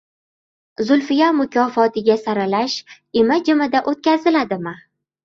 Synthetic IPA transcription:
zʊlfɪjamʊkʰʲɒfɒt̪ʰɪɡʲasaɾalaʃ | ɪmad͡ʒɪmad̪aʔot̪̚kʲʰazɪlad̪ɪmɪ

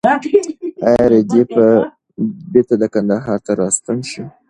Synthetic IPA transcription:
ajɑɾed̪epə | beɾt̪ad̪əkand̪aɦɑɾt̪aɾɑst̪unʃi

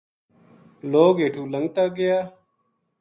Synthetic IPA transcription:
loːɡeːʈʰuːləŋɡ̚t̪aːɡɪjaː

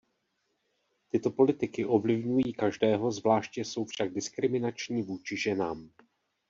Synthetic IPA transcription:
t̪ɪt̪o̞po̞lɪt̪ɪkɪʔo̞vlɪvɲujiːkaʒdɛːɦo̞zvlaːʃcɛso̞wfʃaɡ̚dɪskɾɪmɪnat͡ʃɲiːvuːt͡ʃɪʒɛnaːm

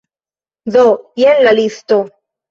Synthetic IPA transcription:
ðojenlalist̪o

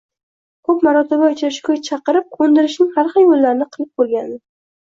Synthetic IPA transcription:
kʰɵpmaɾɒt̪ʰɪbaʊt͡ʃʰɾɪʃkʲojt͡ʃʰɑqɨɾɪp̚kʰond̪ɪɾɪʃnɪŋhaɾχɑnjolːaɾɪnɪqʰɨlˠɪp̚bolˠɡʲand̪ɪ

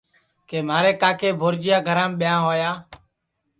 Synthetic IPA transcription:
keːmaːɾeːkaːkeːbʱoːɾd͡ʒɪjaːɡʱəɾãːmɓɪjãːɦoːjaː

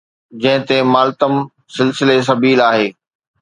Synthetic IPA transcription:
d͡ʑɐ̃ɦɪ̃t̪emaːlt̪əm | sɪlsɪles̬ɐbiːlaːɦeː

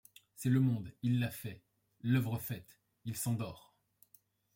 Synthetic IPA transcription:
sɛləmɔ̃d̪ilːafɛ | lœvʁəfɛt̪ | ilsɑ̃d̪ɔːʁ

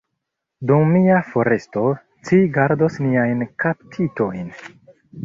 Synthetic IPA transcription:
dumːiafo̞ɾe̞sto̞ | t͡siɡaɾdosniajnkaptʰito̞jn

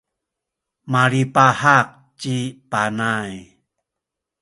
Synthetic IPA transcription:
maɾipahak̚ | t͡ɕipanaj

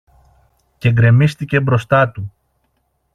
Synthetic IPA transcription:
ce̞ɡɾe̞mist̪ice̞bɾo̞st̪ɐt̪u

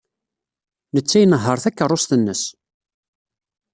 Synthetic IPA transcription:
nət͡sːæjnəɦːəɾˤθækːərˤːʊst̪ənːəs

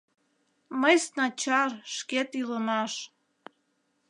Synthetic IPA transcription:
məjsnɑt͡ɕɑrʃket̪yləmɑʃ

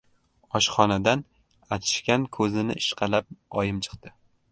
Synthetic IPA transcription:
ɒʃχɒnad̪an | at͡ʃ̪ʰɪ̥ʃkʲankʰɵzɪnɪ̰ʔɪʃqʰɑlap̚ɒjɪmt͡ʃʰɨ̥qd̪ɪ

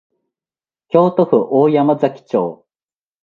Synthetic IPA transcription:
kʲo̞ːt̪oɸɯ̟ʔoːjamazakʲi̥t͡ɕoː

